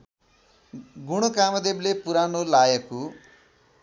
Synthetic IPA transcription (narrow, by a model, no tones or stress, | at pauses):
ɡuɽ̃okamʌd̪eblepuɾanolajʌku